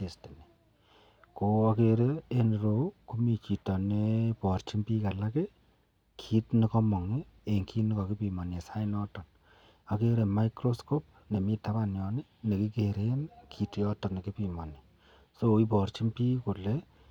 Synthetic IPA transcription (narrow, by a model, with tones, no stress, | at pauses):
te˨ste˨ni˨ | ko˨a˦ke˨ɾe˦e˦nɾo˨ku˦mi˨t͡ʃi˨tɔ˨ne˦pɔ˨ɾt͡ʃi˦mpiː˦ka˨la˦ke˦ | kʰi˦tni˦kɔ˦mɔ˨ŋe˦ | e˨ŋkʰi˦nɪ˦kɔ˨ki˦pi˨ma˨ne˨sa˦ɪ˦nɔ˦tɔ˨n | a˨ke˦ɾe˨ma˦jkɾo˦sko˦p̚ne˨miː˦ta˦βa˨njɔ˨ne˦ne˨ki˦ke˨ɾe˦nkʰi˦tɔ˦tɔ˨ne˨ki˦pi˨ma˨ne˨ | so˦i˦p̬ɔ˨ɾt͡ʃi˦mpiː˦ko˨le˦